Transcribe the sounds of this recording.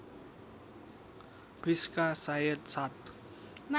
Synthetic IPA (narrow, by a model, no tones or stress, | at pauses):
b̥riskasajət̪sat̪ | m